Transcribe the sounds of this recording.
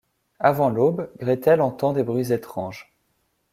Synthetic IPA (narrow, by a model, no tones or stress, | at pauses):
avɑ̃lobɡʁet̪ɛlɑ̃t̪ɑ̃d̪ebʁɥizet̪χɑ̃ʒ